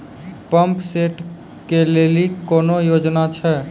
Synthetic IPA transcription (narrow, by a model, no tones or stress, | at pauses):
pəmpseʈ | kelelikonojod͡ʒnat͡ʃʰɛ